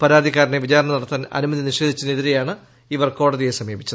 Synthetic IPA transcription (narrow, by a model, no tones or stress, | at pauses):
pɐɾaːd̪ʱikːaːɾɐneʋit͡ɕaːɾɐɳɐnɐɽɐt̪ːaːnɐ̰numɐðiniʂe̞ːd̪ʱit͡ɕːɐneðiɾejaːɳɨ | iʋɐrko̞ːɽɐðijesɐmjeːbit͡ɕːɐðɨ